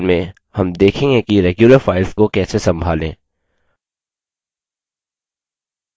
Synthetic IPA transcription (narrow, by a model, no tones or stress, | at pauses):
lmẽ | hɐmd̪eːkʰẽːŋɡekiɾɛːɡjuləɾfaːɪlzkokɛːsesɐ̃mbʱaːlḛ̃ː